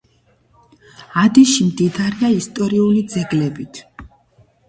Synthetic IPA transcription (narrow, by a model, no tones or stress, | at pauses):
ad̪iʃimd̪id̪aɾiaist̪ʼɔɾiulid̪zɛɡlɛbit̪ʰ